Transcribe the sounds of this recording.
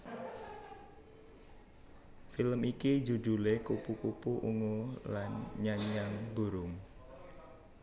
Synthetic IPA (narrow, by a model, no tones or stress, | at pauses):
filəmiki̥d͡ʒudṳlekupukupuʔuŋolanɲaɲaŋbuɾʊŋ